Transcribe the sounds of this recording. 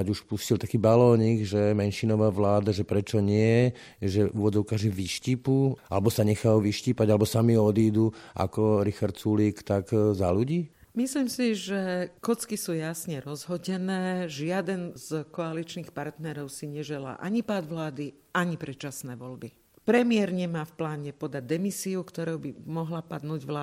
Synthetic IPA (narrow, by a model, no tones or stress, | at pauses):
aɟuʃpuscilˠt̪akiːbalɔːɲiɡʒɛmɛnʃinɔʋaːʋlaːd̪aʒɛpɾɛt͡ʃɔɲɪɛ | ʒɛʔuːʋɔd͡zɔʊkaːʒɛʋiʃciːpualɛbɔsaɲɛxajuʋiʃciːpaɟalɛbɔsamiɔd̪iːd̪uʔa̰kɔɾixaɾt̪suliːkt̪aɡzaluɟiː | misliːmsiʒɛkɔt͡skisuːjasɲɛɾɔzɦɔɟɛnɛːʒɪad̪ɛnzkɔalit͡ʃnixpaɾt̪nɛɾɔʊsiɲɛʒɛla̰ːʔaɲipaːd̪ʋlaːd̪i | aɲipɾɛt͡ʃasnɛːʋɔʎbi | pɾɛmɪɛɾɲɛmaːfplaːɲɛpɔd̪aɟ̚d̪ɛmisiukt̪ɔɾoʊbimɔɦlapad̪nuːɟʋlaː